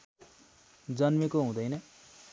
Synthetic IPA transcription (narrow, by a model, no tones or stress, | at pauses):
d͡zʌnmekoɦũd̪ʌjnʌ